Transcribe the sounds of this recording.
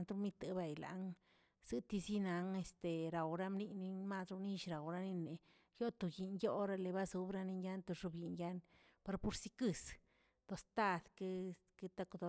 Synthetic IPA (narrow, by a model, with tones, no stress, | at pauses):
nt̪ɾu˧mi˧t̪a˨ba˨jla̰˨ŋ | z̥ɨ˦t̪i˧zi˦na˧˦ŋe˧st̪e˨ɾa˨wɾa˦mni˧ni˧nma˦˧sɾu˧ni˦ʃɾa˨wɾa˧ni˧ne˨ | jo˦t̪o˨ji˨njo˦ɾa˧le˧ba˦zu˧˦bɾa˧ni˧nja˦nt̪o˧ʐu˧bji˨nja˦n | pa˧ɾpu˧ɾsi˦kɨ˦˧s | t̪o˧st̪a˦˨d̪ke˦ | ke˧t̪a˦˧kd̪o˧